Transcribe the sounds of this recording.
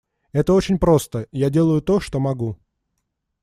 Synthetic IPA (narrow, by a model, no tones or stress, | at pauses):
ɛt̪əo̞t͡ɕɪnʲpɾo̞st̪əjadʲe̞lˠəjʊt̪o̞ʂt̪o̞mɐɡu